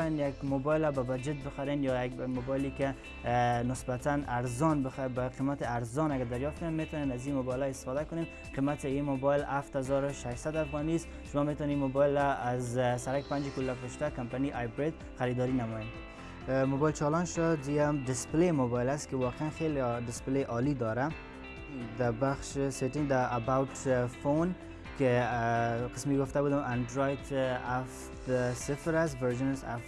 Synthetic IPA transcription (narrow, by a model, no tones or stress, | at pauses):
janjaɡmobɔjlababad͡ʒɪt̪̚bɪxaɾenjɔjaɡmobɔjlike | nɪsbat̪anaɾzɔnbɪxabaqimat̪ɪaɾzɔnaɡad̪aɾjɔft̪kʊnenmet̪ɔnenazimobɔjlɔɪst̪ɪ̥fɔd̪akʊnen | qimat̪ɪimobɔjlaft̪hazɔɾʊʃaʃsad̪afɣɔnist̪ | ʃʊmɔmet̪ɔneimobɔɪlaːzsaɾakpand͡ʒkulːafɾʊʃt̪akampaniʔajbɾed̪ | xaɾid̪ɔɾinamɔin | mobɑjlt͡ʃɑlɑnʃɔd̪ijamɖɪsplemobɑjlaskewɔqeanxelɖɪspleʔɑlid̪ɑɾa | d̪əbaxʃseʈɪŋɡd̪aʔabawʈfon | ke | qɪ̥smkeɡʊft̪abud̪əmʔaɳɖɾojtaf | t̪sɪfɾasvaɾʒɪnsa̰f